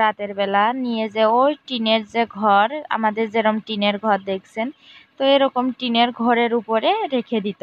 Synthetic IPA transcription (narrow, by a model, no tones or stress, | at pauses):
ɾat̪eɾbɛlanijed͡ʑeojʈineɾzeɡʱɔɾa̰mad̪eɾzeɾɔmʈineɾɡʱɔɾd̪ekʰsʰent̪oeɾɔkomʈineɾɡʱɔɾeɾupoɾeɾekʰed̪it̪o